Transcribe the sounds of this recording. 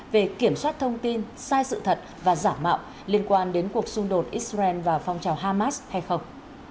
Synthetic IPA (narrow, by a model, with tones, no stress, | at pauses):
ve˨˩ki˧˩əmswaː˦˥t̚t̪ʰə˧wŋ͡mt̪i˧nsaː˧jsɨ̰˧˨t̪ʰə˨˩t̚vaː˨˩zaː˧˩mma̰ː˧˨w | li˧ənkwaː˧nɗe˨˦nku˨˩ək̚sʊ˧ŋ͡mɗo˨˩t̚ʔi˦˥a˧ɛ˧nvaː˨˩fɔ˧wŋ͡mt͡ɕaː˨˩wɦaː˧maː˦˥sha˧jxə˧wŋ͡m